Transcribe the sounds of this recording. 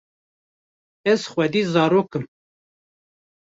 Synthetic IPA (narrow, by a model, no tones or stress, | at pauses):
ɛz̥xʷwɛd̪iːzɑːɾoːkɨm